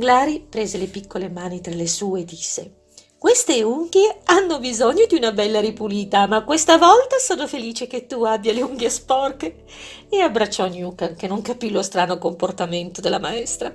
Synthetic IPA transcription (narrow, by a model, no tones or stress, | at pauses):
ɡlaːɾipɾeːzelepikːolemaːnit̪ɾalesuːeːd̪ːisːe | kwest̪euŋɡjeanːobizoɲːod̪iunabɛlːaɾipuliːt̪amakːwest̪avɔlt̪asoːnofeliːt͡ʃeket̪ːuabːjaleuŋɡespɔrke | eabːɾat͡ʃːɔnːjuːkankenːoŋkapilost̪ɾaːnokomport̪ament̪od̪elːamaɛst̪ɾa